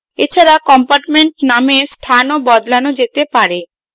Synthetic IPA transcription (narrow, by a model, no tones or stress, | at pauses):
et͡ɕʰaɾakɔmpaɾʈmeɳʈnamest̪ʰanobɔd̪lanod͡ʑet̪epaɾe